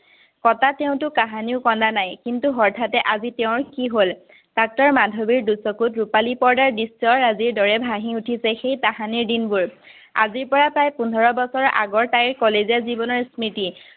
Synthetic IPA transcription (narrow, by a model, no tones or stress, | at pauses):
kɔtateʊ̃tʊkaɦaniʊkɔndanajkintuɦɔɹtʰatɛʔazitɛʊ̃ɹkiɦol | dak̚tɔɹmadʱobiɹdusɔkutɹupalipɔɹdaɹdisɔɹaziɹdɔɹɛbʱaɦĩutʰisɛxejtaɦaniɹdinbuɹ | a̰ziɹpɔɹapɹajpundʱɔɹɔbɔsɔɹa̰ɡɔɹtajɹkɔleziazibɔnɔɹsmiti